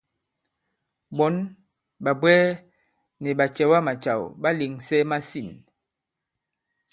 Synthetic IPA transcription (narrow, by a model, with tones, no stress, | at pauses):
ɓɔ˨˦n | ɓa˨bwɛː˦ | nɛ˨ɓa˨t͡ʃɛ˨wa˦ma˨t͡ʃa̰˨wɓa˦le˨ŋsɛ˦ma˦si˦˨n